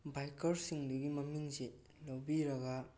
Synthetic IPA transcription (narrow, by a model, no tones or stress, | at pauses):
bajkɐɾsiŋduɡimɐmiŋze | lowbiɾɐɡa